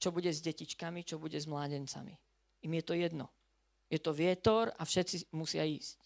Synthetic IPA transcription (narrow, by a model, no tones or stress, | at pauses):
t͡ʃɔbuɟɛzɟɛcit͡ʃkamit͡ʃɔbuɟɛzmlaːɟɛnt͡sa̰mḭ | imjɛt̪ɔjɛd̪nɔ | jɛt̪ɔʋɪɛt̪ɔɾafʃɛt̪t͡simusɪaiːsc